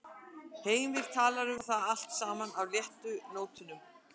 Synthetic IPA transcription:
heːjmvɪð̥t̪ʰaːlaɾʏmθaðal̥t̪saːmanawljɛht̪ʏnoːwt̪ʏnʏm

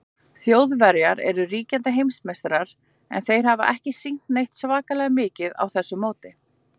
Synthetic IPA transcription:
θjowðvɛɾjaɾɛ̰ɾʏriːcant̪ɪɦejmsmest̪ɾaɾ̥ | ɛ̰nθejɾ̥ɦava̰ʔɛhcɪsiŋ̥t̪nejht̪svaːkalɛɣamɪːcɪða̰wθɛsːʏmoːwt̪ɪ

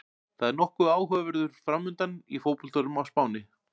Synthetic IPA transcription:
θaðɛɾnɔhkʏaːwɦœːavɛɾðʏɾ̥fɾamːʏnt̪anifoːwpɔlt̪ʰɔlʏmawspaːwnɪ

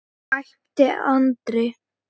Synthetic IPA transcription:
ajh | t̪ɪʔant̪ɾɪ

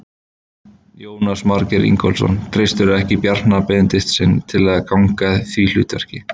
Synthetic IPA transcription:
joːwnasmaɾcɛɾḭŋkɔlsɔ̰nt̪ʰɾejst̪ʏɾʏɛhcɪpjaɾ̥t̪napɛðnt̪ɪht̪sɪnːt̪ʰɪlɛðakawŋkaðθvilʏ̰ːt̪vɛ̰r̥cɪ

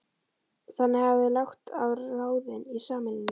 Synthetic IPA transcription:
θanːɪhavðɪlawxt̪avaːwðɪnisaːmɪlɪnɪ

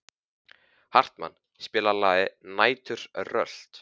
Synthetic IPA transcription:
har̥t̪ma̰nː | spɪːlalaːðɪnaːjt̪ʏɾ̥rœ̰l̥t̪

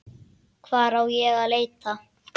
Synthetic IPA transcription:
kʰvaːɾawjɛɣaleːjt̪a

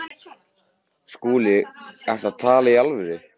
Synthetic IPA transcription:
skuːlɪɛft̪at̪ʰaːlaialvɪðɪ

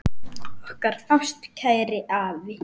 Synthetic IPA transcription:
ɔhkaɾ̥fam̥st̪cʰaːjɾɪʔaːvɪ

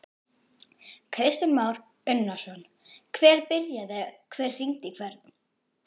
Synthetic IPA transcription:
kʰɾɪst̪ʏnmaːwɾ̥ | ʏnːasɔn | kʰvɛːɾ̥pɪɾjaðɛkʰvɛːr̥r̥iŋt̪ɪkʰvɛɾt̪n̥

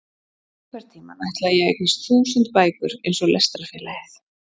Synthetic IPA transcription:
kʰvɛɾ̥t̪ʰiːma̰najht̪lajɛɣḛjknɪst̪θuːsənt̪̚paːjkʏɾḛjnsɔɣlʔɛst̪ɾafɛːlaɪθ

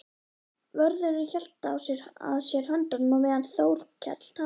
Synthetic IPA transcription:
vœɾðʏɾɪnçɛl̥t̪aːwsjɛɾa̰ðsjɛɾ̥hœnt̪anmɔmɛːðanθoːwɾ̥cʰɛ̰t̪l̥t̪ʰa

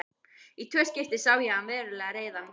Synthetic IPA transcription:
it̪ʰvɛːscɪft̪ɪ̥saːwjɛanvɛːɾʏlɛːɣaɾeːjða

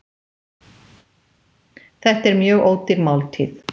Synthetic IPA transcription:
θɛht̪ɛɾmjœːɣoːw̪t̪ɪɾmawlt̪ʰḭːθ

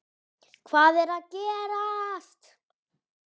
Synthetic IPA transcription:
kʰvaːðɛɾaðcɛːɾast̪

